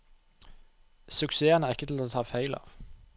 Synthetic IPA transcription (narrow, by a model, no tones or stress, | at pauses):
sʉkseːɐnəæɪkːət̪ʰɪloːt̪ʰɑːfæɪlɑ̰ːʋ